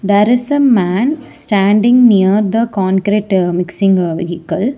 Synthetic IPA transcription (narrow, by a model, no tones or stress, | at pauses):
d̪ɛːɾɪsəmæ̃ːnsʈæ̃ːɳɖɪ̃ŋɡnijəɾd̪əkɔ̃ːnkɾeːʈmɪksɪ̃ŋɡʋḭɦikəl